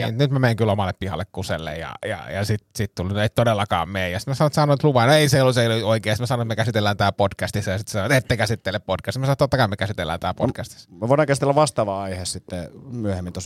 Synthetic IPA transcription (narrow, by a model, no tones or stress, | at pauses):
nyt̪mæmeiŋkylomɑlːeppihɑ̰lːekkusḛlːḛjjɑ̰jɑ̰jɑsit̪sit̪t̪ulneit̪t̪odelːɑkɑ̰ːmmeːjɑsi̥t̪mæsɑnoˑt̪sɑnoˑit̪luʋɑinoeiseiolːut̪seioikeːsit̪mæsɑnoit̪mekæsit̪elːæːnt̪æːpodkæst̪isːɑjɑsit̪sesɑnoet̪et̪ːekæsit̪ːelːeppodkæst̪mæsɑnot̪ot̪ːɑkɑimekæsit̪elːæ̰ːnt̪æːlpo̰tkæst̪i̥smæʋoiɾɑŋkæsi̥t̪elːæʋʋɑst̪ɑːʋɑɑihessit̪ːemyøhemːint̪os